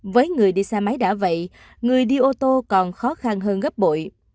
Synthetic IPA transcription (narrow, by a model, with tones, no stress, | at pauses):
vəː˨˦jŋɨ˨˩əjɗi˧saː˧ma˨˦jɗa̰ː˧˥və̰˧˨j | ŋɨ˨˩əjɗi˧ʔo˧t̪o˧kɔ˨˩nxɔ˨˦xa˧nɦəː˧nɣə˦˥p̚ɓo̰˧˨j